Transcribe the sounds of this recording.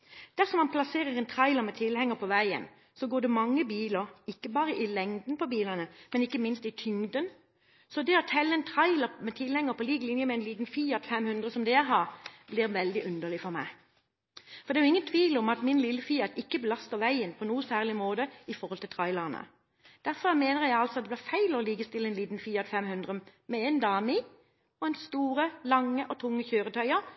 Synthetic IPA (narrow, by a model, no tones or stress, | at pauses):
d̪̥æʁsɔmɑnpʰlɑseːʁəʁɛnt̪ʰʁɑɪləmɛt̪ʰɪlhɛŋəpʰɔʋæɪə̰n | sɔɡoːd̪ɛmɑŋːəbiːləʁɪkːəbɑːʁəʔɪlɛŋd̪n̩pʰɔbiːlənəmɛnɪkːəmɪnst̪ɪt̪ʰʏŋd̪ən | sɔd̪ɛɔt̪ʰɛlːəɛnt̪ʰʁɑɪləmɛt̪ʰɪlhɛŋəpʰɔliːɡlɪnjəmɛɛnliːt̪n̩fiːɑt̪fɛmhʉnd̪ʁəsɔmd̪ɛæɦɑːʁblɪʁʋɛld̪ɪʔʉnd̪əʁlɪfɔʁmæ̰ɪ | fɔʁd̪ɛːjʊɪŋːənt̪ʰʋiːlɔmɑt̪mɪnlɪlːəfiːɑt̪ɪkːəbəlɑst̪əʁʋæɪənpʰɔnuːəsæːʁlɪmoːd̪əɪfɔʁhɔlt̪ʰɪlt̪ʰʁɑɪləʁənə̰ | d̪̥æɾfɔʁmeːnəʁjæɪɑlsɔɑt̪d̪ɛblɪːʁfæɪlɔliːɡəst̪ɪlːəɛnliːt̪n̩fiːɑt̪fɛmhʉnd̪ʁəmɛeːnd̪ɑːmɪ | ɔɛnst̪uːʁəlɑŋːəʔɔt̪ʰʊŋːəçøːʁət̪ʰœʏəɾ